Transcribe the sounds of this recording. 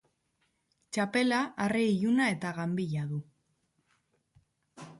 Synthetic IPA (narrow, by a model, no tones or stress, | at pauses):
t͡ʃape̞laʔːriːʝunae̞t̪aɣambiʎaðu